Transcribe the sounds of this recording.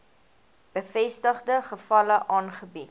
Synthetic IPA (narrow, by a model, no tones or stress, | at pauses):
b̥əfɛstəχdəχəfɐləʔɑːnχəbit